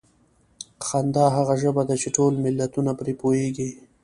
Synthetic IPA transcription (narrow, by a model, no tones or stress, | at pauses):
xand̪ɑɦaɣaʒəbad̪at͡ʃeʈolmɪlːat̪unapɾepojeɡi